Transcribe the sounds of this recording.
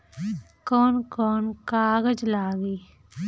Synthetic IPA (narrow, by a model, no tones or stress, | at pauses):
kɔːnkɔːnkaːɡəd͡ʒlaːɡiː